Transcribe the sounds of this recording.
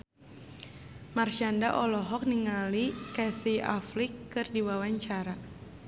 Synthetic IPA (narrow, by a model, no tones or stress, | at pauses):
marʃandaʔɔlɔɦɔk̚niŋalikɛsia̰flikːɨrdiwawaɲt͡ʃaɾa